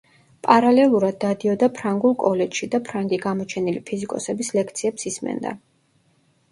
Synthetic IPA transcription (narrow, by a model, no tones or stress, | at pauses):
pʼaɾalɛlˠuɾad̪̚ːad̪iɔd̪apʰɾaŋɡulˠkʼɔlɛt͡ʃʃid̪apʰɾaŋɡiɡamɔt͡ʃʰɛnilipʰizikʼɔsɛbislɛk̚ʰt̪sʰiɛpsismɛ̰nd̪a̰